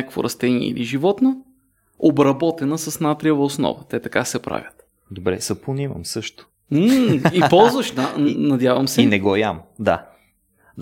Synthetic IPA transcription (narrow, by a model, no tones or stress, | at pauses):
akəkvo̰ɾʔɐst̪ɛniɛ̰ḭliʒivɔt̪no | obɾɐbɔt̪ɛnəsɐsnat̪ɾiəvɐosnɔ̰vət̪ɛt̪ɐkasɛpɾa̰vʲjət̪ | d̪obɾɛsɐponimɐ̰msɤʃt̪ʊ̥ | ipɔlˠzvəʃnannɐd̪javəmsɛinɛɡɔjamd̪a